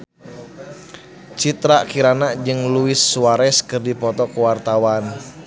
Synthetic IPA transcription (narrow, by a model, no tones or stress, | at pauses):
t͡ʃit̪ɾakiɾanad͡ʒɨŋluɪsːuaɾɛskɨrdipɔt̪ɔkuwart̪awan